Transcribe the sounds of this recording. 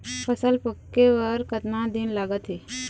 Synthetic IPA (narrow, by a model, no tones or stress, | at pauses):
pʰəsəlpəkːeʋəɾkət̪nãd̪inlaɡət̪ɦiː